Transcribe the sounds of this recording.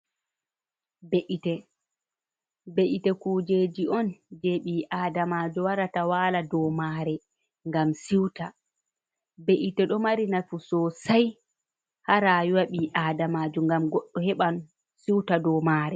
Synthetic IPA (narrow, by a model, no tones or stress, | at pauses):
beʔitɛ | beʔitɛkuːd͡ʒed͡ʒiʔɔnd͡ʒeɓiʔaːdamad͡ʒuwaɾatawaːladɔmaːɾɛ | ŋɡamsiwta | beʔitɛɗɔmaɾinafusɔsaj | haɾajwaɓiʔaːdamaːd͡ʒuŋɡamɡɔɗːɔhɛɓan | siwtadɔmaːɾɛ